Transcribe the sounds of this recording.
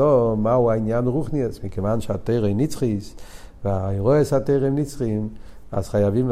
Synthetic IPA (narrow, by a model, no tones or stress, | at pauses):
ɔmauaɪnjanʁuχniɛsmɪkəvanʃateɪʁənit͡sχisvɪajʁɔəsateɪʁənit͡sχim | a̰sχajavim